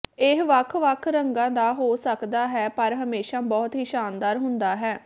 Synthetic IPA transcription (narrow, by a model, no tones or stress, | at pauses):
ɪɦʋəkʰʋəkʰɾəŋɡãːd̪aːɦoːsəkd̪aːɦɛːpəɾɦəmeːʃaːbɔːt̪ɦiːʃaːnd̪aːɾɦʊnd̪aːɦɛː